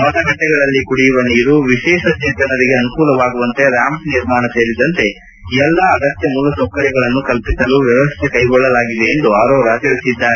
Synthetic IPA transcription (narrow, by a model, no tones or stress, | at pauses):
mɐʈ̪ɐɡɐʈːɛɡɐɭɐlːikuɽijuʋɐniːɾuʋiʃɛːʂɐd͡ʒ̪ɐt̪ɐnɐɾiɡeɐnukuːlɐʋaːɡuʋɐnt̪e̞ɾaːmsniɾmaːɳɐse̞ːɾid̪ɐnt̪e̞ | iɛlːɐːɡɐst̪jɐmuːlɐsɐkːɐɾiɡɐɭɐnːukɐlpisɐluʋjɐʋɐst̪ʰekɐjɡɔɭːɐlaːɡid̪e̞ːnd̪uaːɾoːɾaːt͡ʃɐɾisid̪ːaːɾe